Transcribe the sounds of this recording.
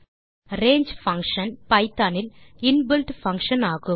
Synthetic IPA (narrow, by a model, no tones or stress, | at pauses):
ɾeːɲd͡ʒfɐŋkʂɐnpɐɪt̪ːaːnɪlɪnbɪlʈfɐŋkʂɐnaːɣɯ